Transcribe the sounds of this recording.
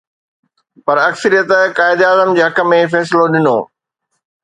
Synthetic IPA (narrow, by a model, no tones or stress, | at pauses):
pɐɾɐksəɾijət̪kaːɪd̪aːzəmd͡ʑeːɦɐkə̆mẽfɛːs̬ɪloɗɪnoː